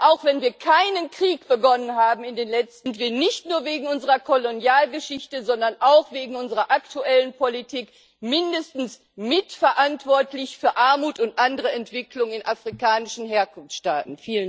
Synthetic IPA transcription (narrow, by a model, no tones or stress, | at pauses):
ʔaʊxv̥ɛnviːɐkʰaɪnənkʁ̥iːkb̥əɡɔnənɦaːbm̩ɪndeːnlɛt͡stɪntv̥iːɐnɪçtnuːɐveːɡŋ̩ʔʊnzəʁɐkʰolonjaːlɡəʃɪçtəzɔndɐnʔaʊxv̥eːɡŋ̩ʊnzəʁɐʔaktuʔɛlənpʰolitʰiːk | mɪndəstn̩s | mɪtfɛɐʔantv̥ɔɐtlɪçfyːɐʔaɐmuːtʊntʔandəʁ̞əɛntv̥ɪklʊŋɪnʔafʁ̥ikaːnɪʃn̩ɦeːɐkʊnfʃta̰ːtn̩fiːlən